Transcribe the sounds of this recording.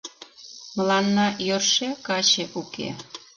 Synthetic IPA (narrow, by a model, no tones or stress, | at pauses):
məlɑnːɑjørʃekɑt͡ɕeʔukḛ